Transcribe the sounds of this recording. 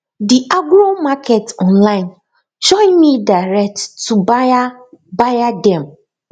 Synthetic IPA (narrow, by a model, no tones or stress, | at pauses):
diʔaɡɾomakʰetɔ̃nlaɪn | d͡ʒɔ̃nmidaɾɛk̚tːub | bajadɛm̩